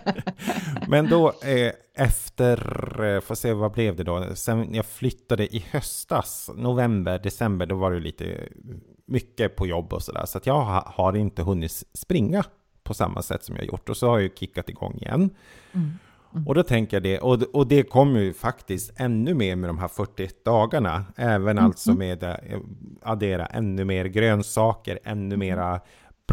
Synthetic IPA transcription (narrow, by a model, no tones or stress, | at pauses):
mʔɛnd̪ɔ | ʔɛft̪əɾfoseːvablɛvd̪ɛd̪ɔsɛnjɑflʏt̪ːad̪əʔɪhœst̪asnʊvɛmbəɾɖɛsɛmbəɖɔvaɾɛjlḭːt̪ʰə̰ | mʏkːəpʰɔjɔbːɔ̰sɔd̪æ̰ːʂɔat̪jɑːɡhaɾɪnt̪əɦɵnːɪt̪sspɾɪŋːa | pʰɔsa̰mːa̰sɛ̰t̪ːsɔmjɑ̰ːajʊ̰ʈːɔsɔhajajkʰɪkːat̪ɪɡɔ̰ŋːɪ̰jɛ̰nː | ʔɔd̪ɔt̪ʰɛŋkəjad̪ɛʔɔɔd̪ɛkʰɔmːjɵfakt̪ɪst̪ɛnːɵmeːɾmɛd̪ɔmɦæːɾfœʈːɪɛt̪̚d̪ɑːɡaɳaɛːvənalt̪sɔmeːd̪ | ad̪eːɾa̰ʔɛ̰nːɵmeːɾɡɾøːnsɑːkəɾɛ̰nːɵmeːɾa